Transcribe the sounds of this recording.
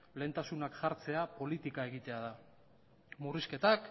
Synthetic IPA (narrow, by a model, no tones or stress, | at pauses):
le̞nt̪asunakʝaɾt͡se̞apo̞lit̪ikae̞ɣit̪e̞aða | muriske̞t̪ak